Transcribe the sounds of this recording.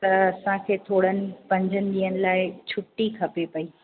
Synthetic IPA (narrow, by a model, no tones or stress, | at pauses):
t̪ɐɐsãkʰeːt̪ʰoːɽ̤ənɪ̆pɐ̃ɲd͡ʑʱənɪ̆d̪iːənɪ̆laːɪt͡ɕʰʊʈːikʰɐpepɐiː